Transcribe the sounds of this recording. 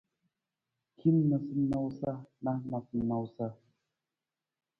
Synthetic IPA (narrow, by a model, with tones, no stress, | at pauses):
kʰi˦nːə˨sɨ˦na˦wsa˦na˦ma˨sɨ˨˦na˨wsa˦